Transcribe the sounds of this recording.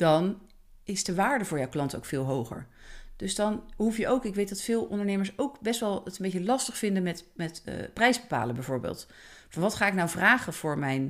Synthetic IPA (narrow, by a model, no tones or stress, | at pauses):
d̥ɑn | ɪsdəʋaːɹdəvʊːɹjɔwklɑnto̰wkfɪːlˠɦowχə̰ɹd̥ɵsdɑnɦufjəowkɪkʋejt̚dɑtfɪːlˠɔ̰ndəɹnejməɹsowkbɛstʋɛlˠətənmbejcəlɑstəχfɪndənmɛtmɛtːprɛjzbəpa̰ːləbɛjvʊːɹbɪ̰ːlˠt | fɑnʋɑtχaːɪknawvraːχəv̥ʊːɹmɛjn